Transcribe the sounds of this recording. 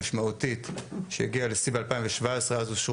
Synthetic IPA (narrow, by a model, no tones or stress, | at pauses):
ʃmaut̪it̪ʃḛjeɡialesibalpajĩmveʃvaesʁeazuʃ